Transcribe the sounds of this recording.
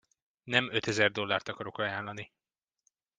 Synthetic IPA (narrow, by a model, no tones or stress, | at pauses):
nɛmøt̪ɛzɛrd̪o̞lːaːrt̪ɒkɒɾo̞kɒjaːlːɒni